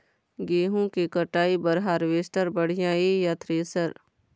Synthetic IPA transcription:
ɡeːɦũkikəʈaːibəɾɦaːɾʋesʈəɾbəɽ̤ijãːijat̪ʰɾeːsəɾ

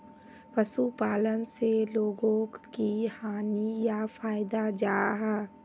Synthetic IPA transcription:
pəsupaːlənseloːɡõkihaːnijafaːɪd̪ad͡ʒaːɦɛː

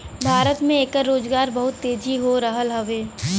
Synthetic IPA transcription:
bʱaːɾət̪mẽeːkəɾːoːd͡ʒɡaːɾbɐɦʊt̪ːeːd͡ʒʱiɦoɾɐɦəlɦɐʋeː

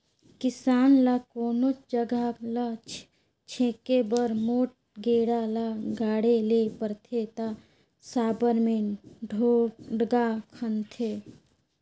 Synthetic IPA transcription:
kɪsaːnlakoːnod͡ʒəɡalat͡ʃ | t͡ʃʰẽːkebəɾmoːʈ̚ɡeːɽalaɡaːɽelepəɾt̪ʰet̪a | saːbəɾmeɖʱoɖɡakʰənt̪ʰe

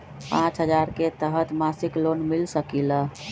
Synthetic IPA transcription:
pãt͡ʃɦəd͡ʒaɾket̪əɦət̪masiklonmilsəkilə

